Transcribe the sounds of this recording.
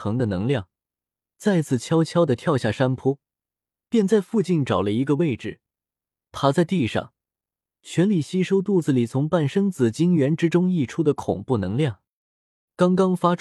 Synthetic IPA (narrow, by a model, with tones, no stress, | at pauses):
ɤ˧˥ŋd̪ə˧nɤ˧˥ŋljɑ˥˩ŋ | t͡sa˥˧ɪt͡sʰɹ̩˥˩t͡ɕʰjɑ˥ʊt͡ɕʰjɑ˥ʊd̪ə˨t̪ʰjɑ˥˧ʊɕja˥˩ʂa˥npʰɔ˥ | pjɛ˥˧nt͡sa˥˧ɪfu˥˧t͡ɕi˥˩nʈ͡ʂɑ˨˩ʊlə˦i˧˥ɡə˧we˥˩ɪʈ͡ʂɻ̩˨˩ | t̪ʰa˥t͡sa˥˧ɪt̪i˥˧ʂɑ̰˥˩ŋ | t͡ɕʰɥɛ˧˥nli˨˩ɕi˥ʂo˥ʊt̪u˥˩d͡zɹ̩˩li˨˩t͡sʰʊ˧˥ŋpa˥˩nʂɤ˥ŋt͡sɹ̩˨˩t͡ɕi˥ŋɥɛ˧˥nʈ͡ʂɻ̩˥ʈ͡ʂʊ˥ŋi˥˩ʈ͡ʂʰu˥d̪ə˨kʰʊ̰˨˩ŋpu˥˩nɤ˧˥ŋljɑ˥˩ŋ | kɑ˥ŋkɑ˥ŋfa˥ʈ͡ʂʰ